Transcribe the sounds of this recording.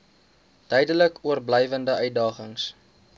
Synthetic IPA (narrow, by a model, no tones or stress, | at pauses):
d̥œjdələkuərblɛjvəndəʔœɥt̚dɑːχəŋs